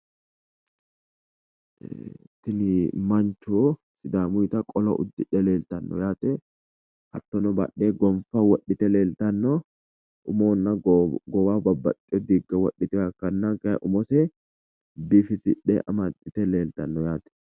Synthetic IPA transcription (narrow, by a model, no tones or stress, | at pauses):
t̪ɪnɪmɐnt͡ʃu | sɪd̪aːmʊjt̪ɐkʼɔlɐ̰ʔʊ̰d̪ːɪᶑɛleːlt̪ɐnːɔ̰jaːt̪ɛ | hɐt̪ːɔnɔbɐ̰ᶑːeːɡɔmfɐwɔɗːɪt̪ɛleːlt̪ɐnːɔ | ʊmoːnːɐɡɔwaːbɐbːɐ̰t̪ʼːɛd̪iɡːɐwɐᶑːɪt̪ɛɐkːɐnːakʔʊmɔsɛ | bɪfɪsɪᶑːɛ̰ʔɐmɐt̪ʼːɪt̪ɛleːlt̪ɐnːɔjaːt̪ɛ̥